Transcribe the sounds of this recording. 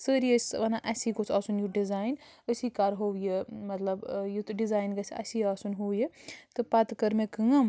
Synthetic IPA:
səɾijəsʲʋɐnaʔɐsikot͡sʰaːsunjuɖizaːjn | əsikaɾɦowjemɐt̪lɐbjut̪ɖizaːjnɡɐt͡sʰɐ̰siaːsunɦojet̪ɨpɐt̪kəɾmẽkəŋɐm

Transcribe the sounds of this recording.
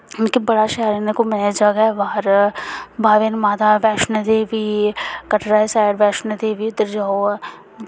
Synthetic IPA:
ʊnkebɐɽaʃɛːɾənekomɐnad͡ʒaɡaʋaːɾ | bʱaːʋenmaːd̪aʋɛːʃnəd̪eːʋikɐʈʰɾaːesaːɪɾʋɛːʃnəd̪eːʋiʊd̪əɾd͡ʒaːo

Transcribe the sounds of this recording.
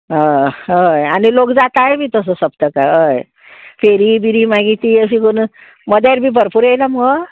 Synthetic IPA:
ɦəɦəjanilokd͡zat̪aebʱiːt̪əs̬əsəbt̪əkaəj | feɾibiɾiːmaɡit̪iəs̬ikun | məd̪jaɾbʱiːbʱəɾpuɾjejlamə

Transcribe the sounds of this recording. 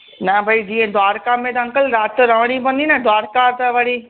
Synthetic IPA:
nɐbʱɐid͡ʑiːẽd̪ʱwaːɾkamẽt̪ɐɐ̃ŋkəlɾaːt̪ɾɐɦɽ̃ibɐ̃nd̪inɐd̪ʱʋaːɾkat̪ɐʋɐɽiː

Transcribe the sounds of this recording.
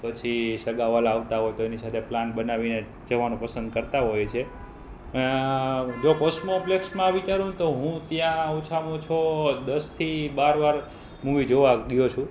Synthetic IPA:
pət͡ʃʰisəɡaʋalːʋt̪aɦojt̪oenisat̪ʰeplanbənaʋine | d͡ʒəʋanũpəsə̃nd̪̚kəɾt̪aɦojt͡ʃʰe | ə | d͡ʒokɔsmopleksmãʋit͡ʃaɾũt̪oɦũt̪jãut͡ʃʰamũt͡ʃʰod̪əst̪ʰibaɾʋaɾ | muʋid͡ʒoʋaɡəjot͡ʃʰũ

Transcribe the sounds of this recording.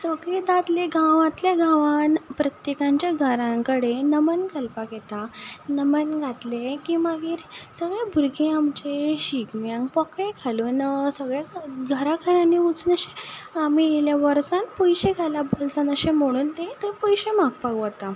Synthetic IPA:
səɡɭed̪ad̪leɡʱãʋat̪ljaɡãʋanpɾət̪jekãɲt͡ɕjaɡʱəɾãŋkəɽenəmənkəlpaket̪anəmənɡʱat̪lekiːmaɡiːɾsəɡɭebʱuɾɡẽamt͡ɕeɕikmjãŋɡpɔkɭekʰalonsəɡɭeɡʱəɾakʰalaniut͡snəɕeamijeljaʋəɾsanpɔjɕeɡʱalabolt͡sanəɕẽm̤əɽ̃uːnt̪et̪epɔjɕemaɡ̚paɡt̪a

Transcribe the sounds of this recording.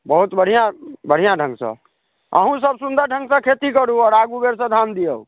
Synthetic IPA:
bəɦut̪bəɽ̤ijãbəɽ̤ijãɖʱə̃ŋɡsə̰̃ | ə̰ɦũsəbsund̪əɾɖʱə̃ŋɡsə̃kʰet̪ikəɾuɔːɾaɡubeɾsə̃d̪ʱamd̪ijəu

